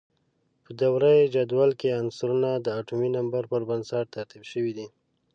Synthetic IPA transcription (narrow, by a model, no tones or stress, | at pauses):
pəd̪awɾajd͡ʒad̪wɑlkeansaɾunad̪əaʈuminambaɾpəɾbənsaʈ̚t̪aɾt̪ibʃəwid̪i